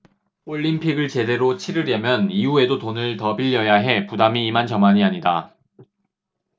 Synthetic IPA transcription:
oʎːimpʰiɡɯɭt͡ɕe̞de̞ɾot͡ɕʰiɾɯɾjʌmjʌniue̞dotonɯɭtʌbiʎːʌjaɦe̞pudamiːmant͡ɕʌmaɲiaɲida

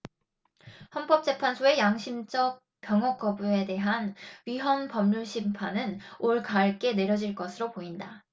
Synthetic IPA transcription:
hʌnp͈ʌp̚t͡ɕ͈e̞pʰansʰoe̞jaŋɕʰimd͡ʑ͈ʌk̚ | p͈jʌŋɦʌk͈ʌbue̞de̞ɦanɥiɦʌnpʌmɲuɭɕʰimpʰanɯnoɭkaːɭk͈e̞ne̞ɾjʌd͡ʑiɭk͈ʌsʰɯɾopoinda

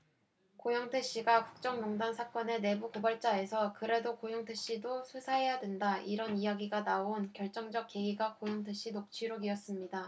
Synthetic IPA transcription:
kojʌŋtʰɯɕ͈iɡaku̥k̚t͡ɕ͈ʌŋjoŋdansʰak͈ʌne̞ne̞bukobʌɭt͡ɕ͈ae̞sʰʌkɯɾe̞dokojʌŋtʰeɕ͈idosʰusʰaɦe̞jadwendaʔiɾʌnijaɡiɡanaonkjʌɭt͡ɕ͈ʌŋd͡ʑʌk̚k͈e̞ɡiɡakojʌŋtʰɯɕ͈inok̚t͡ɕʰiɾoiʌs͈ɯmɲida

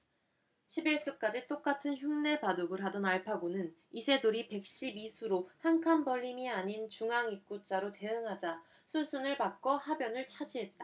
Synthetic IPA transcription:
ɕʰibiɭs͈uk͈ad͡ʑit͈ok͈atʰɯnçjuŋne̞padoɡɯɾɦadʌnaɭpʰaɡonɯnisʰe̞doɾipe̞k̚ɕ͈ibisʰuɾohaŋkʰanbʌʎːimiaɲint͡ɕuŋaŋik̚k͈ut͡ɕ͈aɾote̞ɯŋɦad͡ʑa | sʰusʰunɯɭpak͈̚ʌhabjʌnɯɭt͡ɕʰad͡ʑiɦe̞t̚t͈a

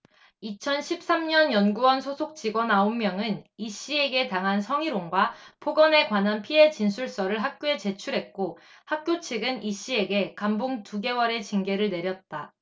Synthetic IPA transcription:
it͡ɕʰʌnɕʰip̚s͈amɲʌnjʌnɡuwʌnsʰosʰok̚t͡ɕ͈iɡwʌnaommjʌŋɯniɕ͈ie̞ɡe̞taŋɦansʰʌŋiɾoŋɡwapʰoɡʌne̞kwananpʰie̞t͡ɕinsʰuɭs͈ʌɾɯɭɦak̚k͈joe̞t͡ɕe̞t͡ɕʰuɾɦe̞t̚k͈ohak̚k͈jot͡ɕʰiɡɯniɕ͈ie̞ɡe̞kamboŋtuɡe̞wʌɾe̞t͡ɕiŋɡe̞ɾɯɭne̞ɾjʌt̚t͈a

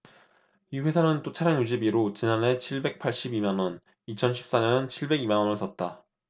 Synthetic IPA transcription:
iɸwe̞sʰamɯnt͈ot͡ɕʰaɾjaŋjuɕ̬ʰibiɾot͡ɕinanɦe̞t͡ɕʰiɭbe̞k̚pʰaɭɕ͈ibimanwʌn | it͡ɕʰʌnɕʰi̥p̚s͈aɲʌnt͡ɕʰiɭbe̞ɡimanwʌnɯs͈ʌt̚t͈a

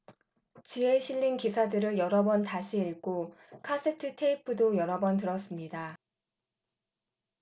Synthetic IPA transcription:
t͡ɕieɕʰiʎːinkisʰadɯɾɯɭjʌɾʌbʌntaɕʰiiɭɡ͈okʰas͈ʰetʰɯtʰe̞ipʰɯdojʌɾʌbʌntɯɾʌs͈ɯmɲida

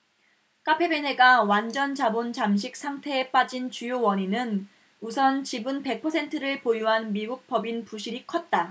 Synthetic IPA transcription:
k͈apʰe̞bene̞ɡawand͡ʑʌnt͡ɕabont͡ɕamɕ̬ʰik̚s͈ʰaŋtʰe̞ːp͈ad͡ʑint͡ɕujowʌɲinɯn | usʰʌnt͡ɕibɯnpe̞k̚pʰʌsʰe̞ntʰɯɾɯɭpojuɦanmiɡuk̚p͈ʌbinpuɕʰiɾikʰʌt̚t͈a

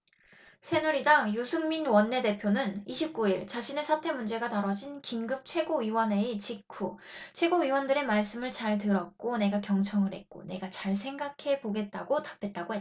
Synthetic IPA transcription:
sʰe̞nuɾidaŋjusʰuŋminwʌnːe̞de̞pʰjonɯniɕʰip̚k͈uiɭt͡ɕaɕʰine̞sʰatʰe̞mund͡ʑe̞ɡataɾʌd͡ʑinkinɡɯp̚t͡ɕʰwe̞ɡoɥiwʌne̞it͡ɕikʰut͡ɕʰwe̞ɡoɥiwʌndɯɾe̞maɭs͈ɯmɯɭt͡ɕaɭtɯɾʌk̚k͈one̞ɡakjʌŋt͡ɕʰʌŋɯɭɾhe̞t̚k͈o̰ne̞ɡat͡ɕaɭs̬ʰe̞ŋɡakʰe̞poɡe̞t̚t͈aɡotḁpʰe̞t̚t͈aɡoɦe

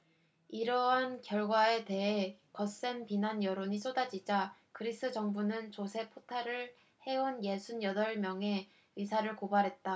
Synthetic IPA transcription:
iɾʌɦankjʌɭɡwae̞te̞e̞kʌs͈e̞npinanjʌɾoɲis͈odad͡ʑid͡ʑakɯɾis͈ʰɯd͡ʑʌŋbunɯnt͡ɕosʰe̞pʰotʰaɾɯɭ | he̞onje̞sʰunjʌdʌɭmjʌŋe̞ | isʰaɾɯɭkobaɾɦe̞t̚t͈a

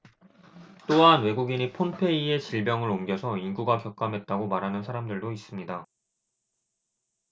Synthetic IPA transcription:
t͈oɦanwe̞ɡuɡiɲipʰonpʰe̞ie̞t͡ɕiɭbjʌŋɯɾomɡjʌsʰʌinɡuɡakjʌk͈amɦe̞t̚t͈aɡomaɾɦanɯnsʰaɾamdɯɭdois͈ɯmɲida

